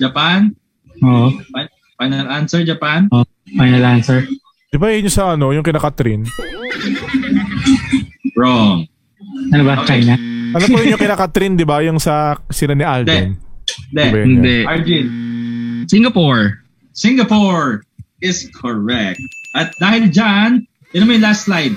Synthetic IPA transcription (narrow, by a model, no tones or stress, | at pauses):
d͡ʒɐpan | ʔoːʔoaj | fajnɐlʔansɛɹd͡ʒɐpano | fajnɐlansɛɹ | d̪̥ɪbaɐɲosɐʔɐno̞jʊŋkɪnaːkɐt̪ɾɪn | ɹɔŋ | ɐnobat͡ʃajnaʔɐnopɐjʊɲʊŋkɪnaːkɐt̪ɾind̪ɪbajʊŋsɐsɪlanɪʔaldɛɪnnd̪ɛbɛɪnd̪ɛʔaɹd͡ʒin | sɪŋɡɐpɔɹ | sɪŋɡɐpoɹ | ɪskʰɔɹɛk̚t̪̚ʔɐt̪̚d̪aːhɪld͡ʒan | dɪnɐmɐjlaslajd̪̚